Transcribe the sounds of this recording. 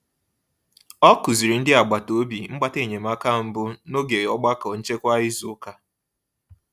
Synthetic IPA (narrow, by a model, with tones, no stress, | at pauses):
ɔ˦kʊ˨zi˨ɾi˨n̩˦dɪ˦a˨ɡ͡ba˨to˦bi˨ŋ͡m̩˦ɡ͡ba˦te˦˨ɲe˨m̩a˦ka˦˨m̩˨bʊ˦no˦ɡe˨ɔ˦ɡ͡ba˦kɔ˨n̩˦t͡ʃe˦kʷa˦i˦zʊ˨˦ka˦